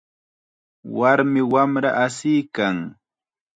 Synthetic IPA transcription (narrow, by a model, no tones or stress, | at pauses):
waɾmɪwamɾa̰ʔasɪjkaŋ